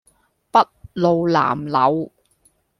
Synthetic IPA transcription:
pɐ˥t̚lo˨wla̰ː˨˩mlɐ̰˨˧˥w

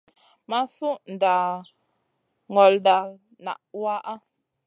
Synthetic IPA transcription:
ma˦su˦n̩˨da˨ | ŋɔ˨lda˨ | na̰˨ʔwa˦ʔa˦

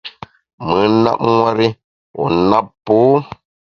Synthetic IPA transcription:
mɨ˨˦na̰˦p̚ŋwa˦ɾi˦ | wɔ̰˨na˦ppːu˦

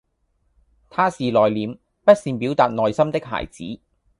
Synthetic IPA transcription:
t̪ʰaː˥siː˨lɔː˨jliː˨˧m | pɐ˥t̚siː˨˧npiː˨˥wt̪aː˨t̚nŋɔː˨jsɐ˥mt̪ɪ˥k̚ɦa̰ː˨˩jt͡sḭː˨˥

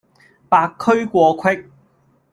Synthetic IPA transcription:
paː˧kʰːɵ˥ɥkʷɔː˧kʰwɪ˥k̚

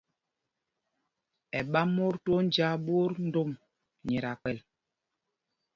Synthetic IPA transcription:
ɛ˨ɓa˦mo˦ɾto˦n˦d͡ʒa˦ɓo˦ɾn̩˦do˦˨m | ɲɛ˨ɾa˨k͡pɛ˨l

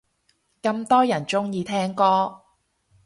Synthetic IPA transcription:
kɐ˧mt̪ɔː˥jɐ˨˩nt͡sʊ˥ŋjiː˨˧t̪ʰɛː˥ŋkɔː˥

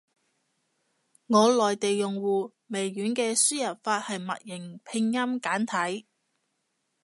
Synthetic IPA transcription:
ŋɔː˨˧lɔː˨jt̪e˨jːʊ˨ŋwuː˨ | me˨˩jːyː˨˥nkɛː˧syː˥jɐ˨˩t̚faː˧t̚hɐ˨jmɐ̰˨t̚jɪ˨˩ŋpʰɪ˧ŋjɐ˥mkaː˨˥nt̪ʰɐ˨˥j

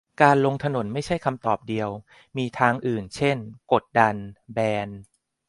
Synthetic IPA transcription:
kaː˧nlo˧ŋt̪ʰa˧no˩˦nma˥˩jt͡ɕʰa˥˩jkʰa˧mt̪ɔː˨˩p̚di˧əw | miː˧t̪ʰaː˧ŋʔɯː˨˩nt͡ɕʰe˥˩nko˨˩t̪̚da˧nbɛː˧n

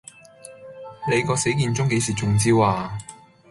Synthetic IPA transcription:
ne˨˧jkɔː˧se˨˥jkiː˧nt͡sʊ˥ŋke˨˧˥jsiː˨˩t͡sʊ˨ŋt͡siː˥waː˨

